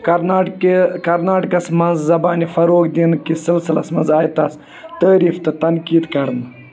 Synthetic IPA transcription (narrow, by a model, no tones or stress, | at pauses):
kɐɾnaːʈkkɐɾnaːʈkɐsmɐnzzɐbaːnifɐɾoːkd̪inkisɨlsilɐsmɐnzaːjt̪ɐs | t̪əːɾiːft̪ɨt̪ɐnkiːd̪kɐɾn